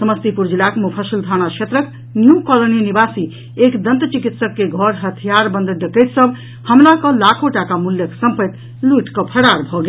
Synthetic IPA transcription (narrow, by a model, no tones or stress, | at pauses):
səməst̪ipuɾd͡ʒilakmupʰəsild̪ʱañakʰet̪ɾək | njukɔloninibasi | ekd̪ənt̪t͡ʃikit̪səkːeɡʱɔɾɦət̪ʰijaɾbə̃nd̪ʱɖəket̪səb | həmlakəlakʰoʈakamuljəksəmpəjt̪ | luiʈkəpʰəɾaɾbʱɔɡe